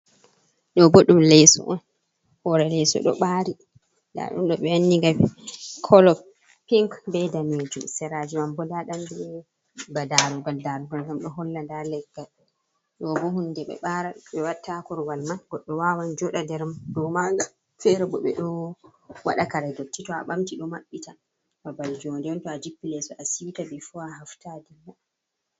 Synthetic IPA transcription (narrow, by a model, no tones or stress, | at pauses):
ɗɔboɗumlɛjsɔ̰ʔɔn | hɔɾɛlɛjsɔ̰ɗɔ̰ɓaːɾi | da̰ɗṵnɗɔɓɛanːiŋɡakʰɔlɔk | piŋkbɛdamed͡ʒumsɛɾad͡ʒumambɔdaɗamdɛ | badaɾuɡaldaɾuɡalɡamɗɔɦɔlːandalɛɡːal | ɗɔbɔhundɛɓɛ̰ɓaɾaɓɛwatːakɔɾɡalmaɡɔɗːɔwawand͡ʒɔɗadɛɾmaɗɔmaɡa | fɛɾɛbɔɓɛ̰ɗɔ | waɗakaɾɛdotːitɔa̰ɓamtiɗɔmaɓːita | babald͡ʒɔndɛntɔad͡ʒipːilɛsɔʔasitabɛfuaɦaftadima